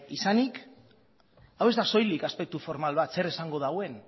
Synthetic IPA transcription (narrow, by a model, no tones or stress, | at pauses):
isanik | awe̞zd̪aso̞jlikaspe̞k̚t̪ufo̞ɾmalβat̪se̞ɾesaŋɡo̞ð̞awe̞n